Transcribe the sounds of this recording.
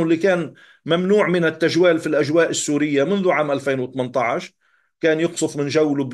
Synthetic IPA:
lːikaːn | mamnuːʕmɪnɪt̪ːaʒwaːlfilʔaʒwaːʔɪsːuːɾɪjːamɪnðuʕaːmʔalfeːnwɪt̪mɪnt̪ˤɑʕɪʃ | kaːnjʊqsˤʊfmɪnʒawːlʊb

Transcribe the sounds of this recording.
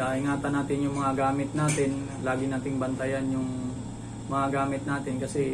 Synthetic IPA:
aʔɪŋaːt̪ɐnaːt̪ɪnjʊŋmɐŋaɡaːmɪt̪̚naːt̪ɪn | laːɡɪnaːt̪ɪŋbɐnt̪ɐjanjʊŋ | mɐŋaɡaːmɪt̪̚naːt̪ɪnkɐsɛ

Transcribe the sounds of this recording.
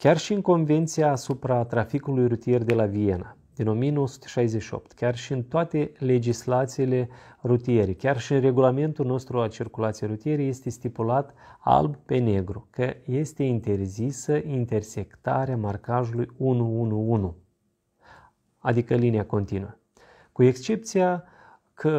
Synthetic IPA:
kʲarʃiɨŋko̞nve̞nt̪sijaːsupɾat̪ɾafikulujrut̪ije̞rd̪e̞lavije̞nad̪ino̞mijeno̞wosu̥t̪e̥ʃajzeʃio̞̰p̚t̪kʲarʃiɨnt̪oat̪e̞le̞d͡ʒislat̪siːle̞rut̪ije̞ɾikʲarʃiɨnre̞ɡulame̞nt̪ulno̞st̪ɾualt͡ʃirkulat̪sijeɾut̪ijeɾeje̞st̪e̞st̪ipulat̪a̰lbpe̞ne̞ɡɾukəje̞st̪e̞int̪e̞rzisəʔint̪e̞rse̞kt̪aɾeamarkaʒulujunuunuunu | ad̪ikəlinʲiako̞nt̪inuə | kue̞kst͡ʃe̞p̚t̪sija | kʰə

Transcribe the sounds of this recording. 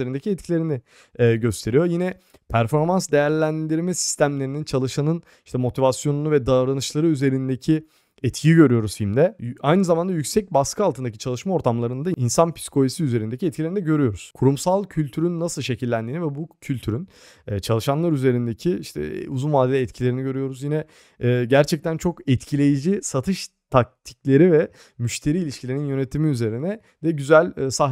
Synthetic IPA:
eɾind̪ecʰiɛt̪cʰilʲe̞ɾini | ɛːɟø̞st̪ʰe̞ɾijo̞jinɛ | pʰæɾfo̞ɾmansd̪e̞jæɾlʲænd̪iɾmɛsi̥st̪ʰæmlʲe̞ɾinint͡ʃʰalˠɯʃanɯn | iʃt̪ʰɛmo̞t̪ʰivasjo̞nunuvɛd̪aːvɾanɯt͡ʃlˠaɾɯyze̞ɾind̪ecʰi | ɛt̪cʰijiɟø̞ɾyjo̞ɾuz̥himd̪ɛajnɯzamand̪ajycsɛc̚baskʰɯalˠt̪ʰɯnd̪acʰit͡ʃʰalˠɯʃmao̞ɾt̪ʰamlˠaɾɯnd̪ainsanpʰi̥skʰo̞isiyze̞ɾind̪ecʰiɛt̪̚cilʲeɾind̪ɛɟø̞ɾyjo̞ɾuz̥kʰuɾumsalˠcʰylʲt̪ʰyɾynːasɯlˠʃe̞cʰilʲːænd̪iːnivɛbucʰylʲt̪ʰyɾyn | ɛːt͡ʃʰalˠɯʃanlˠaɾyze̞ɾind̪ecʰiiʃt̪ʰɛ̰uzunvaːd̪ed̪ʲɛt̪cʰilʲe̞ɾiniɟøɾyjo̞ɾuzjinɛː | ɟæɾt͡ʃʰɛc̚t̪ʰænt͡ʃʰo̞kɛt̪cʰilʲe̞jid͡ʒisat̪ʰɯʃt̪ʰak̚t̪ʰiclʲe̞ɾivɛ | myʃt̪ʰe̞ɾiːlʲiʃcʰilʲeɾninjø̞ne̞t̪ʰimiyze̞ɾinɛ | d̪̥ɛɟyzælʲːsa

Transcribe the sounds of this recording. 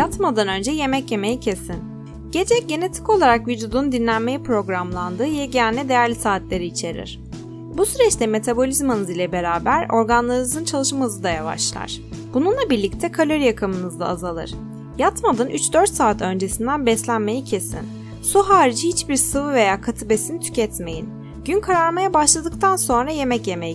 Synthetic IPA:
jat̪mad̪anø̞nd͡ʒɛje̞mɛcje̞me̞jicʰe̞sin | ɟ̥e̞d͡ʒɛc̚ɟe̞ne̞t̪ʰi̥ko̞lˠaɾakvyd͡ʒuːd̪und̪inlʲænme̞jipɾo̞ɡɾamlˠand̪ɯːjɛɟænʲɛd̪e̞jæɾlʲisaːt̪lʲe̞ɾiːt͡ʃʰe̞ɾḭɾ̥ | busyɾɛt͡ʃt̪ʰɛme̞t̪ʰabo̞lʲizmanɯzilʲɛbe̞ɾaːbæɾo̞ɾɡanlˠaɾnɯzɯnt͡ʃʰalˠɯʃmazɯd̪ajava̰ʃlˠa̰ɾ̥b̥ununlˠabiɾlʲict̪ʰɛkʰalʲøɾjakʰɯmɯnɯzd̪a̰ːzalˠɯ̰ɾ̥ | jat̪mad̪ɯnʔyt͡ʃd̪ø̞ɾt̪saːt̪ʰø̞nd͡ʒe̞sind̪ænbɛslʲænme̞jicʰe̞sḭn | suɦaːɾid͡ʒihit͡ʃbiɾsɯvɯve̞jaːkʰat̪ʰibe̞sinit̪ʰy̥cɛt̪me̞jin | ɟ̥ynkʰaɾaɾmajabaʃlˠad̪ɯkt̪ʰanso̞nɾaje̞mɛcje̞mɛj

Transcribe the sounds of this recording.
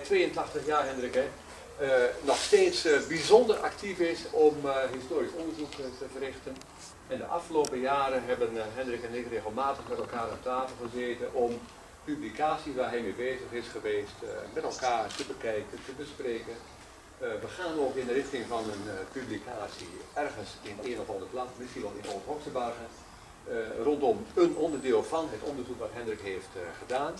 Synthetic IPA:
tʋejəntɑχtəχjaːrɦɛndrɪkɛ | nɔxsteːtsbizɔndərʔɑ̰ktʰifɪsɔmɦistoːrisɔndərzuktəvərɪxtən | ɛndəʔɑ̰fχəloːpəjaːɾəɦɛbənɦɛndrɪkɛnɪtreːɣəlˠmaːtəχmɛtɛlˠkaːɾɔ̰p̚tʰaːfəl̩ˠχəzeːtənʔɔm | pyblikʰaːsiʋaːɹɦɛjmebeːzəχɪsχəʋeːstmɛtɛlˠkaːrtəbəkɛjkəntəbəsprejkən | ʋəχaːnəokɪndərɪχtɪŋvɑnənpyblikʰa̰ːtsḭɛrχənsɪneːnɔfɑnˠdəplɑtmɪsinʋɑlˠɪ̰nɔnzəɦɔksəbarɣən | rɔntɔmənɔndəɹdɪːlˠvɑnɦətɔndəɹzukʋɑtɦɛndrɪkɦejftχədaːn

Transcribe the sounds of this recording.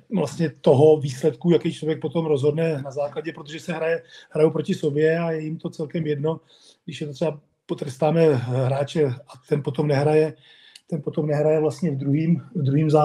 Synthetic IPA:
vlast̪ɲɛt̪oɦo̞viːslɛt̪kujakɛjt͡ʃlovjɛk̚pot̪omɾo̞zɦo̞dnɛnazaːklaɟɛpɾot̪o̞ʒɛsɛɦɾajɛhɾajupɾo̞cɪso̞bjɛajɛjɪmt̪o̞t͡sɛlkɛmjɛdno̞ | ɡdɪʃjɛt̪ot̪rɛba | pot̪ɾɛst̪aːmɛɦɾaːt͡ʃɛat̪ɛnpo̞t̪o̞mnɛɦɾajɛ | t̪ɛnpo̞t̪o̞mnɛɦɾajɛvlast̪ɲɛvd̪ɾuɦiːmvd̪ɾuɦiːmza

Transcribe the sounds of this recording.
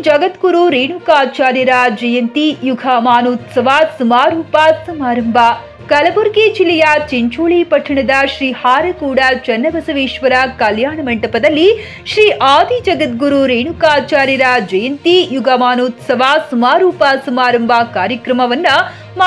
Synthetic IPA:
d͡ʒɐɡɐt̪ɡuɾuɾeːɳukaːt͡ʃaːɾjɐɾɐd͡ʒɐjɐnt̪ijuɡʱamaːnoːt̪sɐʋaːsumaːɾuːpasɐmaːɾɐmbʱɐ | kɐlɐbɐɾɡeːd͡ʒilːɐjɐt͡ʃeɲt͡ʃoːɭipɐʈʰɐɳɐd̪ɐʃɾiːhaːɾɐkuːɽɐt͡ʃɐnːɐbɐsɐʋeːʂʋɐɾɐkɐljaːɳɐmɐɳʈɐpɐd̪ɐlːi | ʃɾiːʔaːd̪ʱid͡ʒɐɡɐt̪̚ɡuɾuɾeːɳukaːt͡ʃaːɾjɐɾɐd͡ʒɐjɐnt̪ijuɡʱɐmaːnoːt̪sɐʋaːsumaːɾuːpasɐmaːɾɐmbʱakaːɾjɐkɾɐmɐʋɐnːɐ | m

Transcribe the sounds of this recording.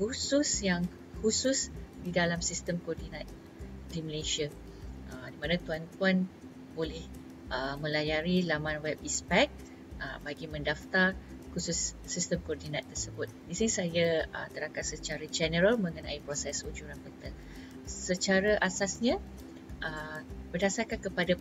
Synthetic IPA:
kususjaŋ | husʊsdidalamsist̪əmkɔɔrdinat̪̚ | diməleʃia | ʔədimãnãt̪uant̪uan | bolɪh | ʔəmə̃lajaɾilamãnwɛp̚ispɛk̚ | ə̰baɡimə̃ndaft̪ar | kususːist̪əmkɔrdinat̪ːərsəbʊt̪̚disinisajaə̰t̪əɾakat̪sət͡ʃaɾad͡ʒɛnəɾəlmə̃ŋəna̰ipɾosɛsud͡ʒuɾanpət̪ə | sət͡ʃaɾaʔasasɲã | ʔəbərdasarkankəpada

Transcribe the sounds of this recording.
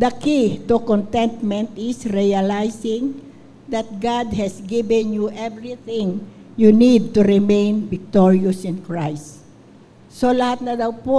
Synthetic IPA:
d̪ɐkit̪ukɔnt̪ɛnt̪mɛ̃nt̪ɪsɹialajsɪ̃ŋ | d̪ɐt̪̚ɡad̪̚hɛsɡibɛ̃njuʔɛvɹiθɪ̃ŋjunid̪̚t̪ʊɾɪmẽjnbɪk̚t̪ɔɹiɔsɪ̃nkɹajst̪ | solɐhat̪̚nɐd̪awpo

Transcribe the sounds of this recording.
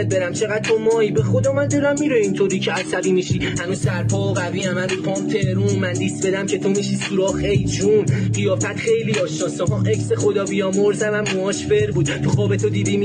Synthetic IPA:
d̪̚beɾæmt͡ʃʰe̞ɣæd̪̥̚t̪ʰomɒːibexod̪ɒːmænd̪elæmːiːɾeint̪ʰoɾiːcʰeæsæbiːmiʃiːhænuːz̥sæɾpʰɒːoɣæviːæmænupʰɒːmt̪ʰeɾunmænd̪isbe̞d̪æmce̞t̪ʰomiʃisuɾɒːχejd͡ʒunʁijɒːfæt̪χe̞jliɒːʃnɒːsɒɦɒʔecsexod̪ɒːbijɒːmoɾzævæmːoɒːʃfeɾbuːd̪̥t̪ʰuxɒːbet̪ʰod̪iːd̪iːm

